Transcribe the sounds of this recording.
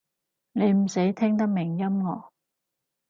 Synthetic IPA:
ne˨˧jm̩˨˩se˨˥jt̪ʰɪ˥ŋt̪ɐ˥k̚mɪ˨˩ŋjɐ˥mŋɔ̰ː˨˧˥

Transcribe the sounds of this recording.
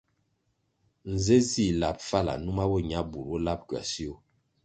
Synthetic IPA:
n̩˨ze˦zi˦˨la˨p̚fa˦la̰˨nu˦ma˦wo˦ɲa˦bu˨ɾwo˦la˦p̚kɥa̰˨si˦o˦

